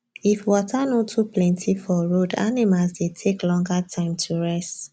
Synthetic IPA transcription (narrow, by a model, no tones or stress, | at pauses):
ifwɔtʰanotʰuplɛ̃ntʰifɔɹoda̰nimalsdetʰeklɔ̃ŋɡatʰãɪ̃mtʰuɹɛst